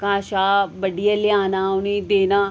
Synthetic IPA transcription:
kãːʃaːbəɖijaːlɪjaːnaːʊnĩːd̪eːnaː

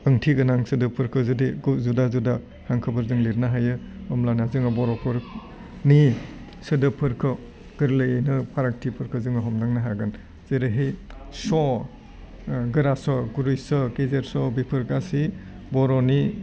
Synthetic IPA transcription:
ɯŋtʰiɡɯnaŋsɯdɯpʰɯɾkʰɯzɯdiɡzudazuda | haŋkʰɯbɯɾzɯŋliɾnaɦajɯɔmlanazɯŋɯbɔɾɔpʰɯɾ | ni | sɯdɯpʰɯɾkʰɔ | ɡ̥ɯɾlɯjnɯpʰaɾak̚tʰipʰɯɾkʰɯzɯŋɯɦɔmdaŋnaɦaɡɯn | z̥eɾɯɦijsɔ | ɡɯɾasɔɡuɾujsɔkezeɾsɔbipʰɯɾɡasi | bɔɾɔni

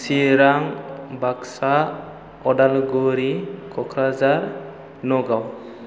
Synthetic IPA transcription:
siɾaŋbaksa | ɔdalɡuɾikɔkʰɾazaɾ | nɔɡaw

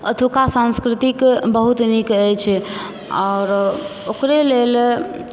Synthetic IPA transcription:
ət̪ʰukasãnskɾit̪ikbəɦut̪nikəjt͡ʃʰɛ | ɔɾokɾelel

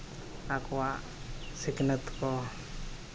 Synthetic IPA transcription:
akwa | siknət̪kɔ

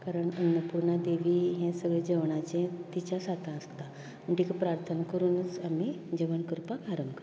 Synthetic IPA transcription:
kaɾəɳənːəpuɾɳad̪eʋiːɦɛ̃səɡɭed͡ʑəʋɳat͡ɕẽt̪it͡ɕasat̪ʰãəst̪a | məɳʈikapɾaɾt̪ʰənakəɾuːnət͡samid͡ʑəʋənkəɾpakaɾəŋkə

